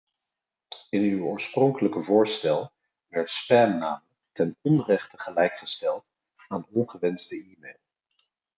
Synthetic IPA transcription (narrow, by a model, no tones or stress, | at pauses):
ɪnywʊːɹsprɔŋkələkəvʊːɹstɛlˠ | ʋɛɹtspɛnːaːmələk̚tɛnɔnrɛχtəχəlɛjkχəstɛlˠt | aːnɔnχəʋɛnzdəiːmejlˠ